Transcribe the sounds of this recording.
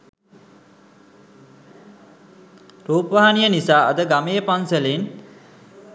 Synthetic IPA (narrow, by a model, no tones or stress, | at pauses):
ɾuːpəʋaɦanijənisaːʔəd̪əɡamejəpanselin